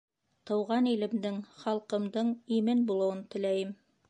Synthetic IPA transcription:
t̪ɤ̆wʁɑnilɘ̆md̪ɘŋχɑlˠqɤ̆md̪ɤɴimɘnbulˠɤ̆wɤnt̪ɘ̆læjɘm

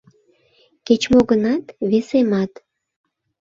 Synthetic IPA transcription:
ket͡ɕmoɣənɑt̪βesemɑt̪

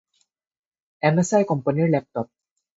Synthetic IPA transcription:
ʔɛmɛsajkompanilɛp̚t̪ɔp̚

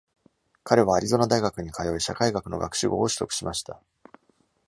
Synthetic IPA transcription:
kʰaɾe̞β̞aːɾʲizo̞nad̪aiɡakɯ̟ɲ̟ikʰajo̞iɕakaiɡakɯ̟no̞̰ɡa̰kɯ̟̥ɕɨɡo̞ːoɕɨ̥t̪o̞̰kɯ̟̥ɕimaɕi̥t̪a

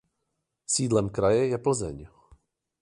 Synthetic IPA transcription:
siːdlɛmkɾajɛjɛpl̩zɛ̰ɲ

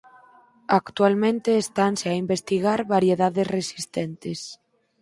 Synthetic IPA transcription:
akt̪ualmẽnt̪eːst̪anseaimbest̪iɣ̞aɾβaɾjeðaðesresi̥st̪ent̪es

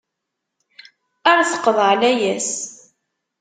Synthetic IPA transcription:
aɾɑθə̥qːəðʕlæjæs

